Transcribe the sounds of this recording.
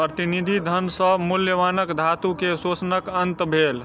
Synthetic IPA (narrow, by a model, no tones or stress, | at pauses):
pɾət̪inid̪ʱid̪ʱənsəmuljəʋanəkd̪ʱat̪ukesot͡ʃnəkənt̪bʱel